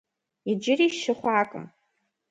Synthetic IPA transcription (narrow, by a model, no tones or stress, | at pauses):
id͡ʒɪriʃʃɪχʷaːkʼə̰m